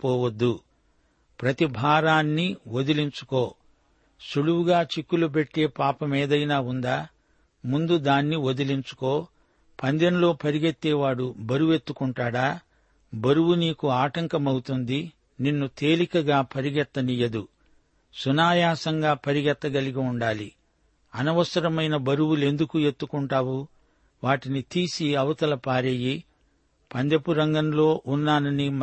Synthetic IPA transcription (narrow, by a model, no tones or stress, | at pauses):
pɔːwɐd̪ːu | pɾɐt̪ibʱaːɾaːnːiod̪iliɲt͡ʃu̥ko̞ː | ʃuɽuwuɡaːt͡ʃikːulup̬e̞ʈːe̞ːpaːpɐmeːd̪ɐjnaːund̪aː | mund̪ud̪aːnːiod̪iliɲt͡ʃu̥ko̞ː | pɐnd̪enulo̞ːpɐɾiɡet̪ːɛːʋaːɽubɐɾuʋe̞t̪ːukuɳʈaːɽaː | bɐɾuwuniːkuaːʈɐŋkɐmɐwut̪und̪i | ninːut̪e̞ːlikɐɡaːpʰɐɾiɡɛt̪ːɐnijɐd̪u | sunaːjaːsɐŋɡaːpɐɾiɡɛt̪ːɐɡɐliɡiuɳɖaːli | ɐnɐʋɐsɐɾɐmɐjnɐbɐɾuwule̞nd̪ukue̞t̪ːukuɳʈaːwu | ʋaːʈinit̪iːsiɐʋɐt̪ɐlɐpaːɾeːji | pɐnd̪epuɾɐŋɡɐnlo̞ːʔunːaːnɐnim